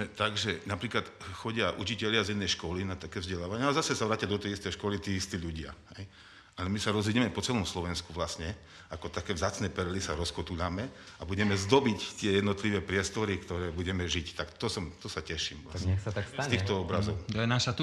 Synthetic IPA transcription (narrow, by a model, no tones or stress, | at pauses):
mɛt̪aɡʒɛnapɾiːklat̪xɔɟɪaʔṵt͡ʃicɛʎɪazinːɛjʃkɔlinat̪akɛːvzɟɛlaːʋaɲɛalɛzasɛsaʋɾaːcɪad̪ɔt̪ɛjist̪ɛjʃkɔlit̪iːist̪iːʎuɟɪa̰hɛj | alɛmisaɾɔzʋiɟɛmɛpɔt͡sɛlɔmslɔʋɛnskuʋlasɲɛ | akɔt̪akɛːʋzaːt͡snɛːpɛɾɛlisaɾɔskɔt̪uʎamɛabuɟɛmɛzd̪ɔbict̪ɪɛjɛd̪nɔt̪liʋɛːpɾɪɛst̪ɔɾikt̪ɔɾɛːbuɟɛmɛʒict̪akt̪ɔsɔmt̪ɔsacɛʃiːmlaɛsatt̪ast̪asiːxt̪ɔɔbɾazɔʊt̪ɔjɛnaʃat̪